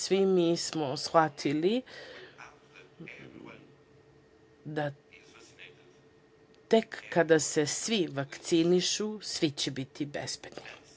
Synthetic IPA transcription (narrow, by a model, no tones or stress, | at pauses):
sʋimismosxʋat̪ʰili | d̪a | t̪ekːad̪ase̞sʋiʋakt̪siniʃusʋit͡ɕebit̪ʰibḛzbed̪ni